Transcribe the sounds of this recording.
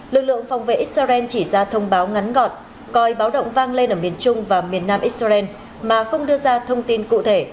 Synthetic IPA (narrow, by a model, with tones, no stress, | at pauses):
lɨ˨˩k̚lɨ̰˧˨əŋfa˨wŋ͡mvḛ˧˨˦ʔi˦˥t̚saː˧zɛ˧nt͡ɕi˧˩zaː˧t̪ʰə˧wŋ͡mɓaː˨˦wŋa˨˦nɣɔ˨˩t̚ | kɔ˨˩jɓaː˨˦wɗə̰˧˨wŋ͡mvaː˧ŋle˧nʔəː˧˩mi˨˩ənt͡ɕʊ˧ŋ͡mvaː˨˩mi˨˩ənːaː˧mʔi˦˥t̚sa˧zɛ˧n | maː˨˩xə˧wŋ͡mɗɨ˧əzaː˧t̪ʰə˧wŋ͡mt̪i˧nkṵ˧˨t̪ʰe˧˩